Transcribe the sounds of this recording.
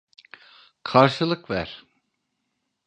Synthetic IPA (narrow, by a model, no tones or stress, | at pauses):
kʰaɾʃɯlˠɯkvæ̰ɾ̥